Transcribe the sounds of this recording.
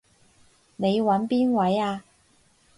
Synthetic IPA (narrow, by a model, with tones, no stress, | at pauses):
ne˨˧jwɐ˨˥npiː˥nwɐ˨˥jaː˧